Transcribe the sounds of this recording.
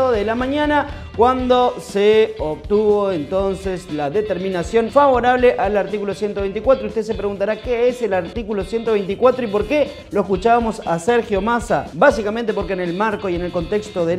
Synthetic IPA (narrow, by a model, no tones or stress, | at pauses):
oðelamãɲana | kwand̪o̞seoβt̪uβoent̪o̞nseslaðe̞t̪eɾmĩnasjo̞nfaβo̞ɾaβ̞leʔalaɾt̪ikulo̞sje̞nt̪oe̞jnt̪ikwat̪ɾoust̪es̬epɾeɣunt̪aɾakeese̞laɾt̪ikulo̞sje̞nt̪oβe̞jnt̪ikwat̪ɾoipo̞ɾke̞ | lo̞eskut͡ʃaβamo̞saseɾxjo̞masabasikament̪̬e̞po̞ɾkene̞lmaɾko̞iene̞lko̞nt̪e̞kst̪oðe